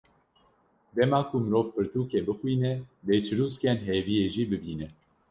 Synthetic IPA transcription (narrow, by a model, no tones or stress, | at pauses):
d̪ɛmɑːkumɨɾoːvpɨɾt̪uːkebɨxwiːnɛbeːt͡ʃʰɨɾuːskɛnɦeːvijeːʒiːbɨbiːnɛ